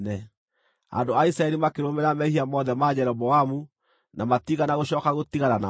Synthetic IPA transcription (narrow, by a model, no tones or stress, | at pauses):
nɛ | a̰ndoaisɾaɛɾimakeɾomɛɾamɛhiamɔðɛmad͡ʑɛɾɔbɔamu | namatiɣanaɣoɕ̬ɔːkaɣotiɣanana